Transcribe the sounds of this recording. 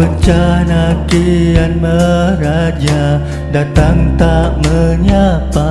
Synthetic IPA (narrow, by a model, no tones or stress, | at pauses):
ət͡ʃanakijanməɾad͡ʒa | dat̪aŋt̪aʔməɲapa